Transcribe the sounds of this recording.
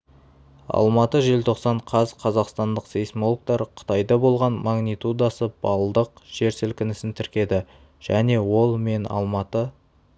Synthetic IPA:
ɑ̰lˠmɑt̪əʒe̞lt̪ʰo̞qsɑɴqʰɑzqʰɑzɑqst̪ɑnd̪əqsejsmo̞lˠk̚t̪ɑɾqʰə̥t̪ɑjd̪ɑbo̞lˠʁɑnmɑɡnijt̪ud̪ɑsəbɑlˠd̪əqʒ̥e̞ɾsɪlkʲɪnɪsɪnt̪ʰɪɾkʲe̞d̪ɪ | ʒ̥æne̞wo̞lˠme̞nɑ̰lˠmɑt̪ə

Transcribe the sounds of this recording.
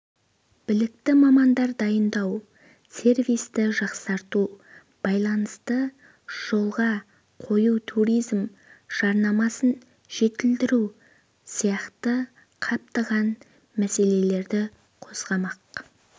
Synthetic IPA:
b̥ɪlɪkt̪ɪmɑmɑnd̪ɑɾd̪ɑjənd̪ɑw | se̞rvijst̪ɪʒɑqsɑɾt̪u | b̥ɑjlˠɑnəst̪ə | ʒ̥o̞lˠʁɑ | qʰo̞jut̪ʰuɾijzm | ʒ̥ɑɾnɑmɑsən | ʒ̥e̞t̪ɪld̪ɪɾu | sijɑqt̪ə | qʰɑp̚t̪ɑʁɑn | mæse̞le̞le̞ɾd̪ɪ | qʰo̞zʁɑmɑq

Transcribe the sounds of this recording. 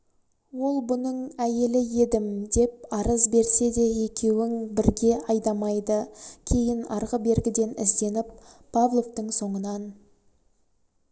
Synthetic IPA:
wo̞lˠbʊnəɴæje̞lɪje̞d̪ɪmd̪e̞p̚ɑɾəzbe̞ɾse̞d̪e̞je̞kʲe̞wɪŋbɪɾɡʲe̞ɑjd̪ɑmɑjd̪əkʲʰe̞jɪnɑɾʁəbe̞ɾɡʲɪd̪e̞nɪ̰zd̪e̞nɪp̚ʰː | avlˠo̞ft̪əɴso̞ɴənɑn

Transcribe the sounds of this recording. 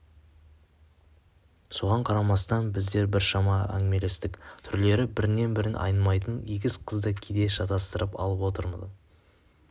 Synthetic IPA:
so̞ʁɑɴqʰɑɾɑmɑst̪ɑnbɪzd̪e̞ɾbɪɾʃɑmɑæ̰ŋɪme̞le̞st̪ɪkt̪ʰʏɾle̞ɾɪbɪɾɪne̞nbɪɾɪnʔɑ̰jnmɑjt̪ənijɡʲɪzqʰəzd̪əkʲʰed̪e̞ʃɑt̪ɑst̪əɾʔəpɑ̰lˠəpwo̞t̪əɾmə̰d̪

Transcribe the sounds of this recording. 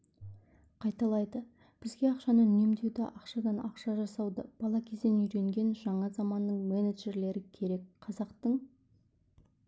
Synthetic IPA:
qʰɑjt̪ɑlˠɑjd̪ə | b̥ɪzɡʲe̞ɑqʃɑnəne̞md̪e̞wd̪ɪʔɑqʃɑd̪ɑnɑqʃɑʒɑsɑwd̪əb̥ɑlˠɑkʲʰe̞zd̪enʏjɾe̞ŋɡʲe̞nʒɑɴɑzɑmɑnːəɴmeneʒe̞ɾle̞ɾɪkʲʰe̞ɾe̞kqʰɑzɑqt̪əɴ

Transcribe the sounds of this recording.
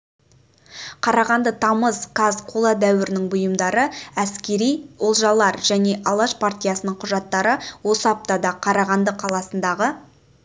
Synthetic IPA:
qʰɑɾɑʁɑnd̪ət̪ʰɑməzkʰazqʰolˠad̪æwɪɾɪnɪŋbʊjəmd̪ɑɾəæskʲe̞ɾijo̞lˠʒɑlˠːɑɾʒæne̞ʔɑlˠɑʃpʰart̪ʲijasənəɴqʰʊʒɑt̪ːɑɾəwo̞səɑp̚t̪ɑd̪ɑqʰɑɾɑʁɑnd̪əqʰɑlˠɑsənd̪ɑʁə

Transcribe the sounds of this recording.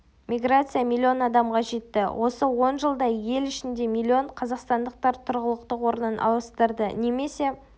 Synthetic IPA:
mʲijɡrat̪sɨjamʲilʲːio̞nɑd̪ɑmʁɑʒe̞t̪ːɪ̰wʔo̞səwo̞nʒəlˠd̪ɑje̞lɪʃɪnd̪e̞milʲːio̞ɴqʰɑzɑqst̪ɑnd̪əq̚t̪ɑɾt̪ʰʊɾʁəlˠəqt̪əqwo̞ɾənənʔɑ̰wˠəst̪əɾd̪ə̰neme̞se̞

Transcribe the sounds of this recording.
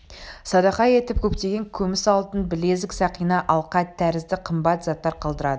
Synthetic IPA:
sɑd̪ɑqɑje̞t̪ɪp̚kʲʰɵpt̪e̞ɡʲe̞ŋkʲʰɵmɪsɑlˠt̪ənbɪle̞zd̪ɪksɑqijnɑʔɑlˠqɑt̪ʰːæɾɪzd̪ɪqʰəmbɑt̪zɑt̪ːɑɾqʰɑlˠd̪əɾɑd̪ə

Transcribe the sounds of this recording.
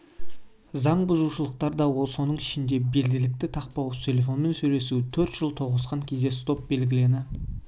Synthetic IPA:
zɑɴbʊzuʃəlˠəq̚t̪ɑɾd̪ɑwo̞lˠso̞nəɴɪʃɪnd̪e̞be̞lɡʲɪlɪk̚t̪ɪt̪ʰɑq̚pɑwəst̪ʰe̞lʲe̞f̬o̞nme̞nsɵjle̞sut̪ʰɵɾt̪ʒ̥əlˠt̪ʰo̞ʁəsqɑŋkʲʰe̞zd̪e̞st̪o̞p̚be̞lɡʲɪle̞nɪ

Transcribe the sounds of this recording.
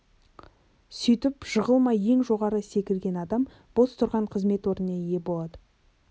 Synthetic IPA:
sʏjt̪ɪpʒəʁəlˠmɑje̞ŋʒo̞ʁɑɾəse̞kʲɪlɡʲe̞nɑd̪ɑm | b̥o̞st̪ʰʊɾʁɑɴqʰəzme̞t̪wo̞ɾnənɑje̞bo̞lˠɑd̪ə

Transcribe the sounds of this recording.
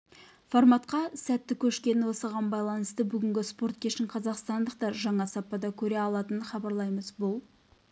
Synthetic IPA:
formɑt̪qɑsæt̪ːɪkʲʰɵʃkʲe̞nɪwo̞səʁɑnbɑjlˠɑnəst̪əbʏɡʲɪŋɡʲɪspo̞ɾt̪̚kʲʰe̞ʃɪŋqʰɑzɑqst̪ɑnd̪əqt̪ɑɾʒɑɴɑsɑpːɑd̪ɑkʲʰɵɾe̞ɑlˠɑt̪ənənχɑbɑɾlˠɑjməzbʊlˠ

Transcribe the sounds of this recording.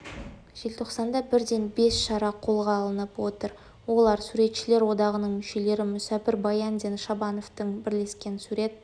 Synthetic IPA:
ʒ̥e̞lt̪ʰo̞qsɑnd̪ɑbɪɾd̪e̞nbe̞sʃɑɾɑqʰo̞lˠʁɑːlˠənəpwo̞t̪əɾ | wo̞lˠɑɾsuɾe̞t̪ʃɪle̞ɾwo̞d̪ɑʁənəɴmʏʃe̞le̞ɾɪmʏsæpɪɾbɑjɑnd̪e̞nʃɑbɑno̞ft̪əɴbɪɾle̞skʲe̞nsuɾe̞t̪̚

